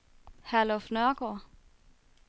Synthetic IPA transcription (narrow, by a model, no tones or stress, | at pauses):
hælofnœɐɡ̥ɔ